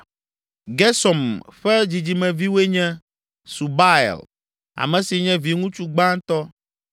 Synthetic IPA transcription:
ɡɛ˦sɔ˨mɸɛ˦d͡ʑi˨d͡ʑi˨mɛ̃˨vi˦we˦ɲɛ̃˦ | su˨ba˦ɛ̰˨l | a̰˨mɛ̃˨si˨ɲɛ̃˦vi˨ŋũ˦t͡ʃu˦ɡ͡bã˦ŋ˦t̪ɔ˦

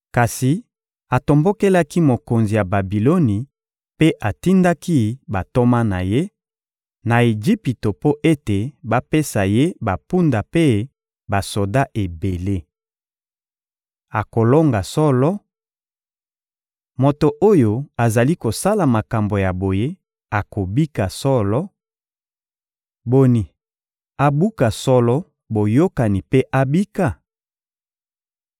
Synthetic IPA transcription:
ka˨si˨ | a˨to˨mbo˦ke˦la˦ki˦mo˨ko˨nzi˨ja˨ba˨bi˨lo˦ni˨ | pe˦ʔa˨ti˦nda˦ki˦ba˨to˦ma˦na˨je˦ | na˨e˨d͡ʒi˦pi˨to˨po˦ʔe˦te˨ba˦pe˦sa˨je˦ba˨pu˦nda˨pe˦ | ba˨so˨da˦ʔe˨be˨le˦ | a˨ko˨lo˦ŋɡa˨sɔ˦lɔ˦ | mo˨to˨ʔo˦jo˨a˨za˨li˦ko˨sa˦la˨ma˨ka˨mbo˨ja˨bo˨je˦ | a˨ko˨bi˦ka˨sɔ˦lɔ˦ | bo˨ni˨ | a˨bu˦ka˨sɔ˦lɔ˦ | bo˨jo˦ka˨ni˨pe˦ʔa˦bi˦ka˨

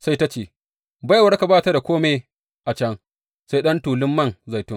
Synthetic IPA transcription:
sa˦jta˦t͡ʃeː˨ | ba˦jwɐ˦ɽka˨baː˦ta˦da˨kʷoː˦me˨ | ʔa˨t͡ʃɐ˦ŋ | sa˦jɗɐ˦ntuː˨lɪ˦mːɐ˦˨ŋza˨jtʊ˦ŋ

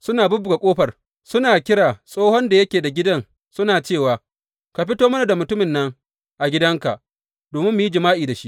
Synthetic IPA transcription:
sʊ˦naː˨bʊ˦bʊ˨ɡa˨kʷʼoː˦ɸɐ˨r | sʊ˦naː˨kʲɪ˦ɽaː˨sʼoː˦hɔ˦nda˨jɐ˦kʲeː˨da˨ɡʲɪ˦dɐ˦n | sʊ˦naː˨t͡ʃeː˦˨waː˨ | ka˨ɸɪ˦toː˦mɐ˦na˨da˨mʊ˨tʊ˦mɪ˨nːɐ˦ŋ | ʔa˨ɡʲɪ˦dɐ˦ŋka˨ʔ | doː˨mɪ˦mːʊ˨ji˦d͡ʒɪ˨maː˦ʔiː˨da˨ʃi˦ʔ

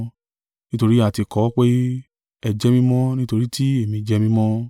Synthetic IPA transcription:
nĩ˦to˧ɾi˦a˦˨ti˨˧kɔ˨˦k͡pe˦ | ɛ˧d͡ʒɛ˦mĩ˦mɔ̃˦nĩ˦to˧ɾi˦ti˦e˦˨mĩ˧d͡ʒɛ˦mĩ˦mɔ̃˦

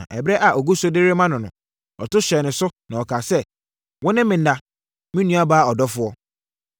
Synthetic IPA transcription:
ʔɛ˨bɾɛ˦ʔa˨ʔo˨ɡu˦sʊ˦dɪ˦ɾɪ˦mã˦nʊ̃˨nʊ̰̃˨ | ɔ˨tʊ˦ɕɛ˨nɪ̃˨sʊ˦nã˨ɔ˨kʰaː˨sɛ˦ | wɔ̃˦nɪ̃˦mɪ̃˨n˦da˨ | mĩ˦nũ˦a˦baː˦ɔ˨dɔ˦fʊ˨ɔ˦

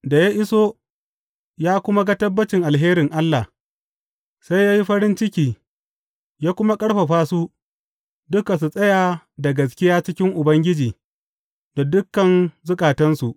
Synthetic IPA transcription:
da˨ja˦ʔɪ˦soː˦ | jaː˦kʷʊ˦ma˦ɡa˦tɐ˦bːɐ˦t͡ʃɪ˨ŋʔa˨lɦeː˦ɾɪ˨ŋʔa˦lːa˨ | sa˦jjaː˦ji˦ɸɐ˦ɾɪ˦nt͡ʃɪ˦kʲiː˨ | jaː˦kʷʊ˦ma˦kʼɐ˦ɽɸa˨ɸaː˦suː˦ | dʊ˦ka˨s̬u˨sʼɐ˦jaː˨ | da˨ɡɐ˨s̬kʲɪ˦jaː˦t͡ʃɪ˦kʲɪ˦ŋʔʊ˨bɐ˦ŋɡʲɪ˦d͡ʒiː˨ | da˨dʊ˦kːɐ˨nzʊ˦kʼaː˨tɐ˦nsu˨ʔ

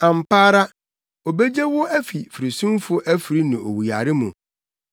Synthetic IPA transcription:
ã˨m˨paː˦ɾa˦ | o˨be˦d͡ʑe˦wʊ˦æ˦fi˨fi˨ɾi˨sũ˦mfʊ˦ʔæ˦fi˨ɾi˦nĩ˨ʔo̰˨wi˨a˨ɾɪ˦mũ˨

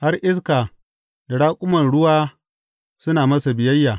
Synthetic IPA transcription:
ha˦rʔɪ˦s̬kaː˨ | da˨ɽaː˦kʷʼʊ˦mɐ˨nɽʊ˦waː˦ | sʊ˦naː˨mɐ˦sa˨bɪ˨jɐ˦jːaː˨

